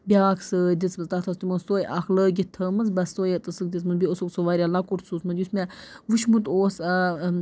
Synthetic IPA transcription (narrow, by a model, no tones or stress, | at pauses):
bʲaːksəd̪ʲit͡smɨzt̪at̪ʰɐst̪umonst̪oːjʔɐxləːɡʲit̪ʰːəːmɐnzbɐst̪oːjet̪ɨsɨk̚d̪ʲit͡smɨnbʲiosuksoʋaːɾʲjalakuʈsusmɐnjusmʲɛʋuʃmut̪oːsɐ